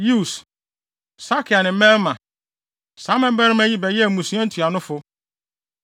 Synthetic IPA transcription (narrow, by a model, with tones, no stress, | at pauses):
ju˦˨s | sa˦kʰɪ˨a˨nɪ̃˨m̩˦mɛ̃˦lmã˨ | sãː˨˦mɛ̃˦bɛ˦ɾɪ˦mɛ̃˦ji˦bɛ˨jɛ˦˨mũ˨su˨˦ã˦n̩˦tʰu˨a˨nʊ̃˦fʊ˦